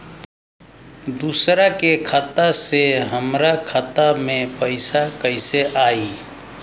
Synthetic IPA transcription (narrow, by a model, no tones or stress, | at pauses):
d̪usɾakekʰat̪aseɦəmɾakʰət̪amepəɪsakəɪseʔai